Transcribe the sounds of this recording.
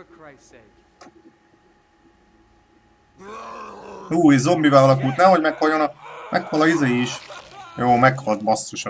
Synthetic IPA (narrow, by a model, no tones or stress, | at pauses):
uːizo̞mbivɛlɒlɒkult̪nɛmɦo̞ɟmɛkhɒjːonɒkmʔɛkhɒlɒizeːjiiʃjoːmɛkhɒlt̪̚bɒst̪ːoʃɒ